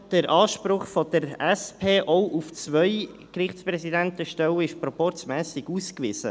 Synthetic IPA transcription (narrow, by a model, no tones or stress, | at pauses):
d̥əɾʔɑːʃpɾʊχfɔd̥̪əɾɛspʰeːʔɔwʔuft͡sʋœʏ | krɪχtspɾɛsid̪ænt̪əʃtɛwəɪʃpɾɔpɔɾt͡smɛːsɪɡuːskʋɪsə̰